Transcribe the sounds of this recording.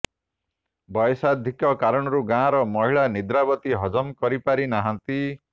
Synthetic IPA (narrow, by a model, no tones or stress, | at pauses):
bɔjsad̪ʱikɔkaɾɔɽ̃ɔɾuɡãɾɔmɔɦiɭanid̪ɾabɔt̪iɦɔd͡ʒɔmkɔɾipaɾinaɦãnt̪i